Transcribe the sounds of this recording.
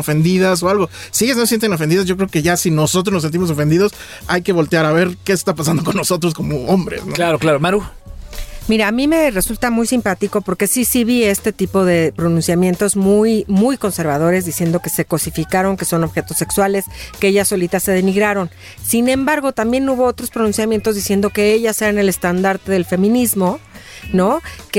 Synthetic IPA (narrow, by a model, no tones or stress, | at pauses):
ofe̞nd̪iðas̬oalɣosijesnosent̪eno̞fend̪iðazʝo̞k̬ɾe̞oke̞ʝasino̞sot̪̬ɾoznos̬ent̪̬imo̞s̬o̞fend̪iðo̞s | ajke̞βo̞lt̪eaɾaβe̞ɾke̞ːst̪apas̬and̪o̞ko̞nːo̞so̞t̪̬ɾos̬ko̞mo̞ombɾe̞̰snoklaɾoklaɾomaɾu | miɾaːmĩme̞re̞sult̪amujsimpat̪iko̞po̞ɾke̞sisiβie̞st̪e̞t̪ipo̞ðe̞pɾo̞nũnsjamje̞nt̪o̞zmujmujko̞nse̞ɾβað̞o̞ɾe̞zðisje̞nd̪o̞ke̞se̞ko̞sifikaɾo̞ŋke̞so̞no̞βxe̞t̪o̞sːekswale̞skeeʝaso̞lit̪ase̞ð̞e̞niɣɾaɾo̞n | sinẽ̞mbaɾɣo̞t̪ambje̞nuβo̞ot̪ɾo̞spɾo̞nũnsjamje̞nt̪o̞zðisje̞nd̪o̞ke̞e̞ʝase̞ɾaene̞le̞st̪and̪aɾt̪e̞ðe̞lfe̞mĩnizmo̞no̞k